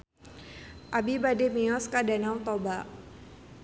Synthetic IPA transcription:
ʔabibademiɔskadanawt̪ɔbaʔ

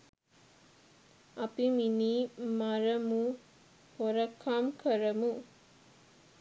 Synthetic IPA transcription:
apiminimaɾɐmu | hɔɾɐkʰːamkʰɐɾɐmu

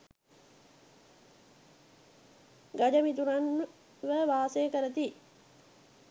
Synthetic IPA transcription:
ɡad͡ʒəmit̪uɾan | ʋəʋaːsejəkəɾət̪i

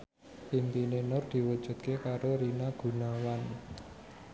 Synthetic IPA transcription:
int̪inenʊrd̪̥i̤wəd̥ʒ̥ṳt̪̚kekaɾoɾinaɡ̥ṳnawan

